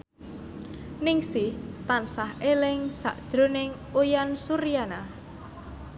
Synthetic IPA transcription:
nɪŋsɪht̪ansaɦelɪŋsa̰ʔd̥ʒ̥ɾonɪŋ | ujansuɾijana

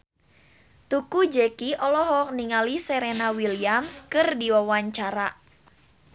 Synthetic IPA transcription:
t̪ukud͡ʒɛkiʔɔlɔɦɔk̚niŋalisɛɾenawiliamskɨrdiwawaɲt͡ʃaɾa

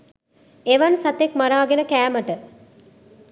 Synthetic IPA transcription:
eʋɐnsɐt̪ekmaɾaːɡenəkæːməʈə

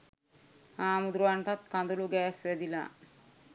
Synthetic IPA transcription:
aːmud̪ɾuʋaɳʈat̪kand̪uluɡæːsʋæd̪ila̰ː

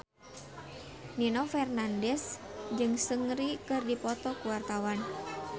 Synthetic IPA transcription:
ninɔfɛrnandɛsd͡ʒɨŋsəŋɾikɨrdipɔt̪ɔkuwart̪awan

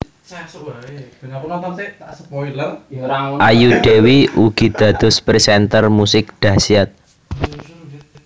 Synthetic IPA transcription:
asəpɔil | ʔajuɖ̪̥ewiuɡ̥i̤d̪̥ä̤d̪̥ʊ̤spɾisɛnt̪ərmusɪk̚ɖ̪̥ä̤siat̪̚

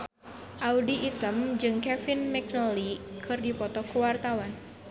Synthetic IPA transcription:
ʔaudiːt̪əmd͡ʒɨŋkɛfɪnmɛk̚nəlikʰɨrdipɔt̪ɔkəwart̪awan

